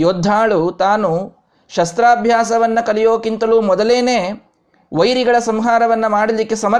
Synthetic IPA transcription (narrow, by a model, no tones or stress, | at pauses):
joːd̪ʱːaːɭut̪aːnu | ʃɐst̪ɾaːbʱjaːsɐʋɐnːɐkɐlijoːkint̪ɐluːmɔd̪ɐleːneː | ʋɐjɾiɡɐɭɐsɐmɦaːɾɐʋɐnːɐmaːɽɐlikːe̞sɐmɐ